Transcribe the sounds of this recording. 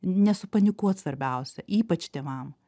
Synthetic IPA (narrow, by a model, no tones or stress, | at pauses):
nʲɛsʊpɐnʲɪkuɔt̪sʋɐɾʲbʲɛˑʊsʲɛʔiːpɐt͡ʃt̪ʲeːʋɐm